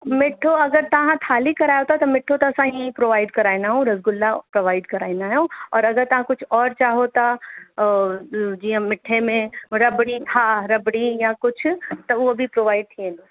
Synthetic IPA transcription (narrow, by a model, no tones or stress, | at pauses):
mɪʈʰːoɐɡəɾt̪ɐɦãt̪ʰaːlikɐɾaːjot̪at̪ɐmɪʈʰːot̪ɐsãɦĩpɾoːʋaːɪɖkɐɾaːjnaɦõɾɐzɡʊlːapɾoʋaːɪɖkɐɾaːinaɦɛõɔːɾɐɡəɾt̪ɐɦãkʊt͡ʃʰɔːɾt͡ʃaːɦot̪a | d͡ʒiãmɪʈʰːẽmẽɾɐbɽik̪ʰaːɾɐbɽijakʊt͡ʃʰt̪ɐʋoɐbʱipɾoːʋaːɪɖ̚t̪ʰiɛna